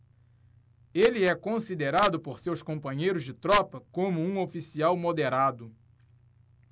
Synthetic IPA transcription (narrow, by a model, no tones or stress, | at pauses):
eliɛkõsid̪eɾad̪ʊpoɾsewskõpɐ̃ɲejɾʊzd͡ʒɪt̪ɾɔpɐkõmʊũofisiawmod̪eɾad̪ʊ